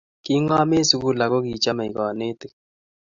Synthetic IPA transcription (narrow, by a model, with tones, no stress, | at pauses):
ki˦ŋa˦me˦su˦ku˦la˨ko˦ki˨t͡ʃa˦ma˨i˨kɔ˨ne˦t̪e˨